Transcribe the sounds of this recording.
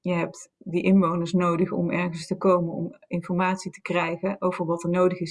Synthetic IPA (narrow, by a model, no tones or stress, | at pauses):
jəɦɛp̚tdəʔɪnʋownəɹsnowdəχɔ̰mɛɹχənstəkowmənɔ̰mɪnfɔɹmaːtsitə̥krɛjχəʔowvəɹʋɑtəɹnowdəχɪs